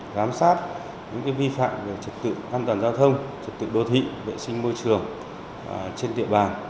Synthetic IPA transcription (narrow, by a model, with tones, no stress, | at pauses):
zaː˨˦msaː˦˥t̚ | ɲɨ̰˧˥ŋkaː˨˦jvi˧fa̰ː˧˨mve˨˩t͡ɕə˨˩t̚t̪ɨ̰˧˨ʔaː˧nt̪waː˨˩nzaː˧wt̪ʰə˧wŋ͡mt͡ɕə˨˩t̚t̪ɨ̰˧˨ɗo˧˩t̪ʰḭ˧˨vḛ˧˨sï˧ŋ̟mo˧jt͡ɕɨ˨˩əŋ | t͡ɕe˧nt̪ḭ˧˨əɓaː˨˩n